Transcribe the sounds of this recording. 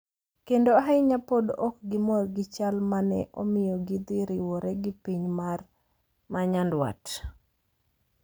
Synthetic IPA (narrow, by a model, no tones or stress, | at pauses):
kendoaɦɪɲapodɔkɡɪmɔrɡɪt͡ʃalmanɛ̰ʔo̰mɪjɔɡɪd̪ɪɾɪwɔɾɛɡɪpiɲmar | maɲandwa̰t